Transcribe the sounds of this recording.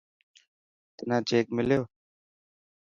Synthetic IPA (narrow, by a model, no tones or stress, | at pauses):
t̪ɪnãːt͡ʃeːkmɪljoː